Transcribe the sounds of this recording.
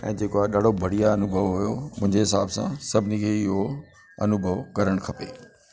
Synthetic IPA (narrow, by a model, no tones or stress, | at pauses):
ɛ̰̃ːd͡ʑeːkoaɦɗaːɖ̤ʱobɐɽ̤ijaɐnʊbʱəʋɦʊjomʊ̃ɦɪ̃ɲd͡ʑeɦɪsaːbsã̰sɐbʱɪnikʰeːɪɦo | ɐ̰nʊbʱəʋkɐɾəɽ̃kʰɐpeː